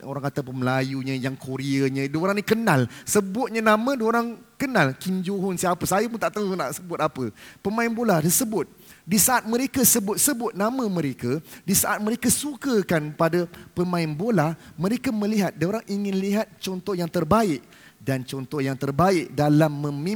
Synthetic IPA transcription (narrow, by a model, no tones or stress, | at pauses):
o̰ɾaŋat̪apəməlajuɲə̃jaŋkʰoɾiəɲə̃doɾaŋnikənalsəbʊt̪̚ɲənamə̃doɾaŋkənalkiɲd͡ʒoɦʊnsiapəsajəmunt̪aʔt̪auna̰ʔsəbʊt̪apəpəmãɪnboladəsəbʊt̪̚ | disaʔat̪̚mə̃ɾekasəbʊt̪̚səbʊt̪̚nãmə̃mə̃ɾekadisaʔat̪̚məɾekasukəkanpadapəmãɪnbolahmə̃ɾekaməliɦat̪̚doɾaŋʔiŋɪnliɦat̪̚t͡ʃɔnt̪ɔhjaŋt̪ərbaɪʔ | dant͡ʃɔnt̪ɔhjaŋt̪ərbaɪk̚dalamːə̃mĩ